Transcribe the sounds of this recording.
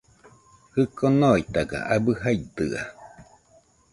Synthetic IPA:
hɨkonoit̪aɡa̰ʔabɯɦajt̪ɨa̰

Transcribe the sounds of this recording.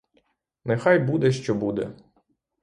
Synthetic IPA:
nɛxɑjbud̪ɛʃt͡ʃɔbud̪ɛ̰

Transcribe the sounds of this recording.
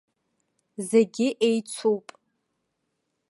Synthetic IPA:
zeɡʲɪʔejt͡sʷʰowpʼ

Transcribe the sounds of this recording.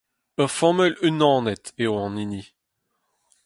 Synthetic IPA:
œʁfɔmœlynːɑ̃ːnɛt̪eoɑ̃nini

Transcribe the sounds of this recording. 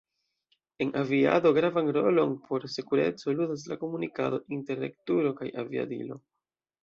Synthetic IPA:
e̞nʔavia̰do̞ɡɾavanɾo̞lo̞npʰo̞ɾsekuɾe̞̰t͡so̞ludas̬lako̞munikado̞ʔinte̞ɾe̞̰ktuɾo̞kajʔavia̰dḭlo̞̰

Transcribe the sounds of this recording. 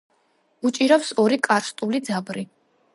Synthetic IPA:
ut͡ʃʼiɾapsɔɾikʼaɾst̪ʼulid̪zabɾi

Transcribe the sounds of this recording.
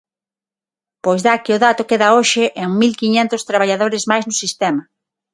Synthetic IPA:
pojzðakɪʊðat̪ʊkeðaoʃɪʔeŋmilkiɲent̪ʊst̪ɾaβ̞aʎaðoɾɪzmajznʊsist̪ɛmɐ

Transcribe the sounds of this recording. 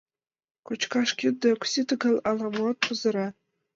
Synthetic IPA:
kʷʰʊt͡ʃʰkʰaʂkʲɪdakʷʰsitʰaɡalalamwat̚ʰʊzaɾa

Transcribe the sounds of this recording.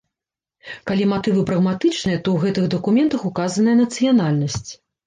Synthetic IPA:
kalʲimat̪ɨvɨpɾɐɣmat̪ɨt͡ʂnɨjɐt̪ɔwɣɛt̪ɨɣd̪ɐkumʲɛnt̪ɐxukazɐnɐjɐnɐt̪sɨjanalʲnɐsʲt͡sʲ

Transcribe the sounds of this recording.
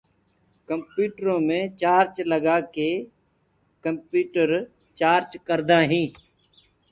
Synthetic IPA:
kəmpjuːʈɾõːmẽːt͡ʃaːɾt͡ʃləɡaːkeː | kəmpjuːʈəɾ | t͡ʃaːɾt͡ʃkəɾd̪ãːɦĩː

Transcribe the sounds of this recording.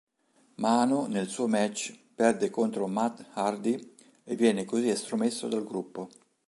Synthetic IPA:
maːnonelsuːomɛt͡ʃːpɛrd̪ekont̪ɾomat̪hard̪i | evːjɛːnekoziest̪ɾomesːod̪alɡɾupːo

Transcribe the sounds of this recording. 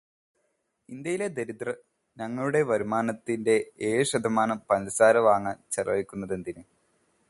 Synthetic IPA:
ind̪jɐjiled̪eɾit̪rɐ | ɲɐŋːɐɭuɽe̞ʋɐɾumaːnɐt̪ːinde̞eːʂɐd̪ʱɐmaːnɐpɐnlɐsaːɾɐʋaːŋːɐt͡ɕerɐʋikʲːunːɐðend̪inɨ

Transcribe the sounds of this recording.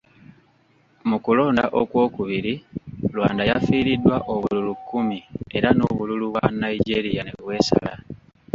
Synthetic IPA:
mukulo̞ːndaʔo̞kwo̞ːkuβiɾilwa̰ːndajafiːɾidːwaʔo̞βululukːumie̞ɾanoːβululuβwanaiɟe̞ɾijane̞βwe̞ːsa̰la̰

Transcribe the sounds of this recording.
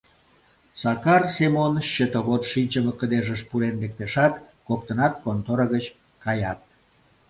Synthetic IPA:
sɑkɑrsemonɕət̪əβot̪ʃinʲt͡ɕəməkəd̪eʒəʃpuɾenlek̚t̪eʃɑt̪kok̚t̪ənɑt̪̚kont̪oɾəɣət͡ɕ | kɑjɑt̪̚

